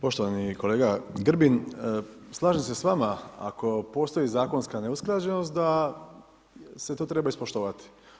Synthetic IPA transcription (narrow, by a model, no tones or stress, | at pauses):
po̞ʃt̪o̞ʋaniko̞le̞ːɡaɡr̩bin | slˠaːʒemse̞sʋamaa̰ko̞po̞st̪o̞izaːko̞nskane̞usklˠad͡ʑe̞nost̪̚d̪a | se̞t̪oːt̪ɾe̞baispo̞ʃt̪oʋat̪i̥